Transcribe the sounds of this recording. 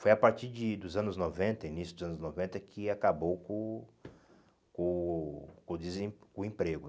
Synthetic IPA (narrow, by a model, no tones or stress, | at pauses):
fojapaɾt͡ʃiɾd͡ʒɪd̪ʊzɐ̃nʊznovẽnt̪ɐinisjʊd̪ʊzɐ̃nʊznovẽnt̪ɐkʰɪakabowkõ | kõkõd̪ɪzẽkʊ̃ẽpɾeɡʊ